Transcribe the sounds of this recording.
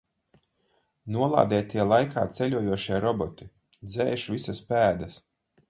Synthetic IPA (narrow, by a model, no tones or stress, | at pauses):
nuɔlˠa̰ːd̪ɛːt̪iɛlˠajkʰa̰ːt̪sɛlʲuɔjuɔʃiɛɾɔbɔt̪i | d̪zɛːʃvʲisaspæːd̪ɐs